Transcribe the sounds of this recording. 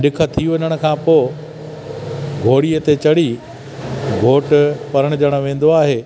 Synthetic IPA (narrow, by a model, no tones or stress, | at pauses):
ɗɪkʰə̆t̪ʰiʋɐɲəɽ̃ʊ̆kʰãːpoː | ɡʱoːɽijət̪et͡ɕɐɽi | ɡʱoːʈʊpɐɾəɽ̃ʊd͡ʑɐɽ̃ʊ̆ʋẽːn̆d̪oaːɦeː